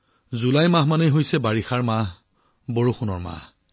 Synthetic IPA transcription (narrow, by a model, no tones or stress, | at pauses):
zulajmãɦmanejɦojsɛbaɹixaɹmaɦ | boɹuxunɔɹma̰h